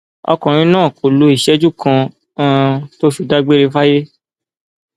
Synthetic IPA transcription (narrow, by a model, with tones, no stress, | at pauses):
ɔ̰˧kɔ̃˨ɾ̃ĩ˧˦nãː˦˨ko˨lo˧˦i˦˨ʃɛ˦d͡ʒu˦˨kã˧˦ | to˦ʃu˨da˦ɡ͡be˦ɾe˧fa˦je˦